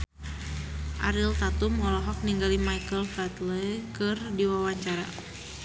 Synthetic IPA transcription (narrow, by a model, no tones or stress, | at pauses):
ʔaɾilt̪at̪umɔlɔɦɔk̚niŋɡalimajkəlfat̪lɛkɨrdiwawaɲt͡ʃaɾa